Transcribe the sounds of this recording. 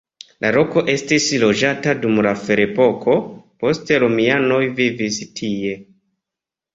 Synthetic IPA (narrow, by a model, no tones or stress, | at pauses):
lʔaɾo̞ko̞ʔe̞stislo̞d͡ʒatadumlafe̞ɾe̞po̞kʰo̞po̞ste̞ɾomiano̞jvivistʰie̞